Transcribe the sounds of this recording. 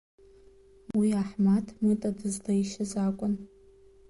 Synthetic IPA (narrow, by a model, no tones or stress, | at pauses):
wiaħmatʰmɨtʼadɨzlaiʃazakʷʼʊn